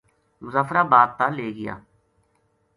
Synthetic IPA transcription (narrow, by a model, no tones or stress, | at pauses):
mʊzaːfɾaːbaːd̪̚t̪aːleːɡɪja̰ː